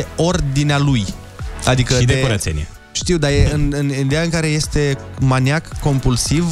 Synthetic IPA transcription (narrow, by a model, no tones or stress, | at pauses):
eo̞rd̪inealuj | ad̪ikəid̪eoɾa̰senʲjḛ | ʃt̪iwd̪ajeɨnɨnid̪e̞jaɨŋkaɾe̞je̞st̪e̞ | manjakːo̞mpulsiv